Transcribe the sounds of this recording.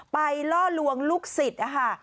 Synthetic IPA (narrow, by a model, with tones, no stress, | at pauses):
pa˧jlɔː˥˩lu˧əŋluː˦˥˩k̚si˨˩t̪̚ʔa˨˩kʰa˥˩